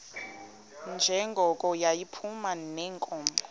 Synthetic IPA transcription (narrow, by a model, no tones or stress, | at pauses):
nd͡ʒʱɛŋɡʱɔkʼɔjajipʰumanɛŋkʼɔːmbʱɔ